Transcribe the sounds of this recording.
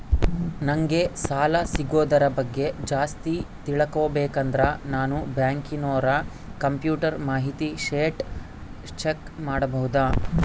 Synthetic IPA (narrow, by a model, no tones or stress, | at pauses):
nɐŋɡe̞saːlɐsiɡoːd̪ɐɾɐbɐɡːe̞d͡ʒaːst̪it̪iɭɐkoːbeːkɐnd̪ɾɐnaːnubjaːŋkinoːɾɐ | kɐmpjuːʈɐɾmaːɦit̪iʃeːʈ | t͡ʃekmaːɽɐbɐɦud̪aː